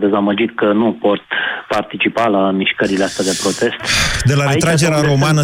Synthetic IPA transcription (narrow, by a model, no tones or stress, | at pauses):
d̪e̞zaməd͡ʒit̪kənupo̞t̪part̪it͡ʃipalamiʃkəɾileast̪ead̪e̞pɾo̞t̪e̞st̪d̪e̞laɾeɾad͡ʒe̞ɾeaaɾo̞manə